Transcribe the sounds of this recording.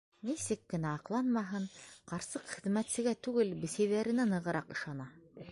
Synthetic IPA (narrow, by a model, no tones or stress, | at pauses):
nisɘkːɘ̆næɑqlˠɑnmɑɦɤɴqɑɾsɤqχɘ̆ðmæt̪sɘ̆ɡæt̪ʉɡɘlbɘ̆sæjðæɾɘ̆nænɤ̆ʁɤ̆ɾʔɑqɤ̆ʃɑnɑ